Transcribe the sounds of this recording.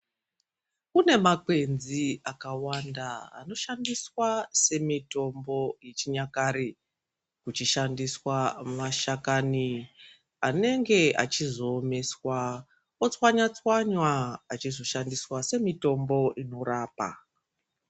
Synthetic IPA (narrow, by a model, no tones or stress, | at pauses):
kune̞makwe̞nziakawandaa̰no̞ʃandiswase̞mito̞mbo̞je̞t͡ʃiɲakaɾi | kut͡ʃiʃandiswamaʃakani | ane̞ŋɡe̞ʔa̰t͡ʃizo̞ːme̞swa | ot͡swaɲat͡swaɲwaːt͡ʃizo̞ʃandiswase̞mito̞mbo̞ʔino̞ɾaːpa̰